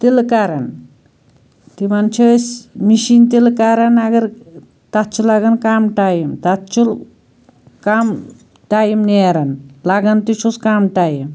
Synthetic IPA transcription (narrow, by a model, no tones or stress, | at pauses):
t̪ilkaɾɐn | t̪imɐnt͡ʃʰɐsmiʃint̪ilkaɾɐnɐɡɐɾ | t̪at̪t͡ʃʰulaɡɐnkamʈaːjimt̪at̪t͡ʃʰul | kam | ʈaːjimneɾɐnlaɡɐnt̪it͡ʃʰuskamʈaːjim